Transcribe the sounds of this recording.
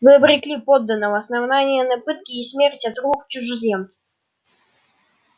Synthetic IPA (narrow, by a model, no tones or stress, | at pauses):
vɨəbɾʲɪklʲipod̪ːənːəvəɐsnɐvnanʲɪjənɐpɨt̪̚kʲɪːsʲmʲerʲtʲɐt̪rukt͡ɕʊʐɨzʲemt̪sɨ̥